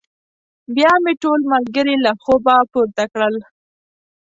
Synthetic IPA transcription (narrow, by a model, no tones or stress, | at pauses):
bjɑmeʈolmalɡəɾilaxobapuɾt̪akɽəl